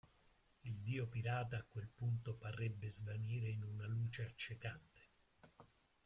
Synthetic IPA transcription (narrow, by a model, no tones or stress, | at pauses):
ild̪iːopiɾaːt̪aːkːwelpunt̪oparːɛbːezvaniːɾeinunaluːt͡ʃeat͡ʃːekant̪e̥